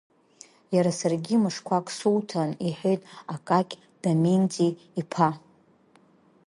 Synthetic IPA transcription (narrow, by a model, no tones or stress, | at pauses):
jaɾasarɡʲimɨʂkʷʰakʼsuwtʰaniħʷᶣejtʼakʼakʲʼ | d̥amind͡zʼiː | pʰa